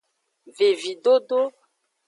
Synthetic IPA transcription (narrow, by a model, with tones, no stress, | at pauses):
ve˨vi˨ɖo˦ɖo˦